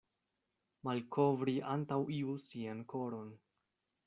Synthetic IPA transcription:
malkʰovɾiʔantawiusianko̞ɾo̞n

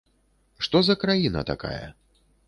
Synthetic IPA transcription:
ʂt̪ɔzɐkɾajinɐ̰t̪a̰ka̰jɐ̰

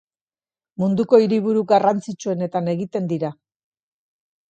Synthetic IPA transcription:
mund̪uko̞iɾiβ̞uɾuɡarant͡sit͡ʃue̞ne̞t̪ane̞ɣit̪e̞nd̪iɾa

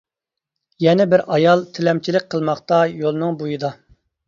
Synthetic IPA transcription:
jɛnɪbɪɾɑjɑlˠt̪ʰɪlɛmt͡ʃʰilɪk̚ʲqʰəlˠmɑχt̪ɑjolˠnɨŋbujɨd̪ɑ

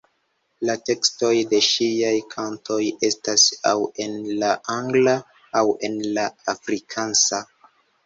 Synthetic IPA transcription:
late̞ksto̞jde̞ʃiajkʰantʰo̞je̞stasa̰we̞nlaʔaŋɡlaː | we̞nlaafɾikʰansa

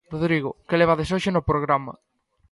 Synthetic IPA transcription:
roðɾiɣokeleβ̞aðesoʃenopɾoɣɾamɐ̰

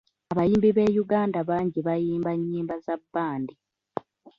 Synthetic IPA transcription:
aβajiːmbiβe̞ːjuɡaːndaβaːɲɟiβajiːmbaɲːiːmbazabːaːndi

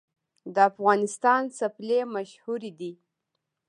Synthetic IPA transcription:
d̪əafɣɑnɪst̪ɑnsaplemaʃhuɾid̪i

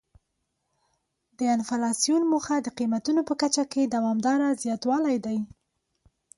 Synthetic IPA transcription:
d̪̥əɪnfalɑsijunmuxad̪əqimat̪unopəkat͡ʃaked̪awɑmd̪ɑɾazjɑt̪wɑlajd̪aj

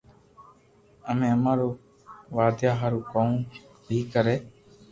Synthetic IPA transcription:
əmẽːəmãːɾoː | ʋaːd̪jaːɦaːɾuːkoːũː | bʱiːkəɾeː

